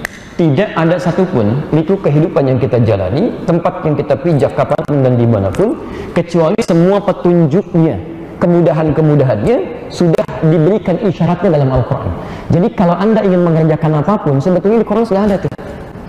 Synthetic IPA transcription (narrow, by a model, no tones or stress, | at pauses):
t̪idaʔadasat̪upʊnlikukəɦidupanjaŋkit̪ad͡ʒa̰la̰nit̪əmpat̪̚jaŋkit̪apid͡ʒakːapaapʊndandimana̰pʊn | kət͡ʃualisəmuapət̪uɲd͡ʒʊk̚ɲa | kəmudaɦankəmudaɦanɲa | sudahdibəɾikaniʃaɾat̪̚ɲadalamalkuɾa̰n | d͡ʒadikalawʔandaiŋɪnməŋəɾd͡ʒakanapapʊnsəbət̪ʊlɲadikuɾansudaɦadat̪uh